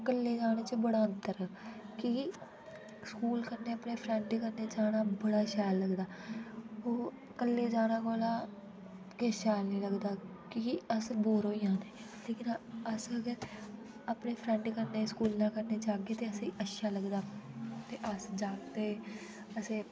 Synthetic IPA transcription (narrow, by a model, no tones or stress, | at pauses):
kəlːeːd͡ʒaːɽ̃eːt͡ʃəbəɽaːənt̪əɾəki | skuːlkəɾneːəpneːpʰɾɛɳɖkəɾneːt͡ʃaːɽaːbəɽaːʃaːlːəɡd̪aː | oː | kəlːeːd͡ʒaːɽ̃ãːkoːlaː | keʃaːlnĩːləɡd̪aːkiəsboːɾoːijãːneː | leːkɪnəsəɡəɾ | əpneːpʰɾɛ̃ːɳɖkəɾneːskuːlnãːkəɾneːt͡ʃaːɡeːt̪eːəsĩːʔəʃʃaːləɡd̪aːt̪eːʔəsd͡ʒaːkt̪eː | əsẽː